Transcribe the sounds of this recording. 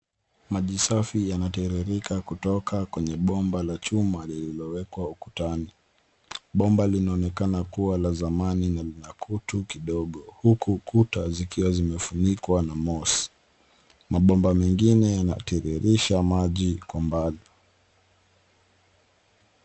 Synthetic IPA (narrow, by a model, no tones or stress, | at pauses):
maʄisafijanatɛɾiɾikakutɔkakwɛɲɛɓɔmbalat͡ʃumalililɔwɛkwauku̥tani | ɓɔmbalinaɔnɛkanakuwalazamaninalinakʰutukiɗɔɠɔhukukutazikiwazimɛfunikwanamɔsi̥ | maɓɔmbamɛŋɡinɛjana̰tɛɾɛɾiʃamaʄikwambali